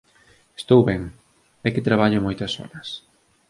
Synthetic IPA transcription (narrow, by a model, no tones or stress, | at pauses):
e̥st̪owβɛŋ | ɛkɪt̪ɾaβaʎʊmojt̪ɐsɔ̰ɾɐs